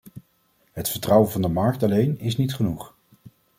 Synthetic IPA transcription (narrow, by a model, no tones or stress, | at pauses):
ɦətfəɹtrʌwəvɑndəmɑɹk̚tɑlejnɪs̬nitχənuχ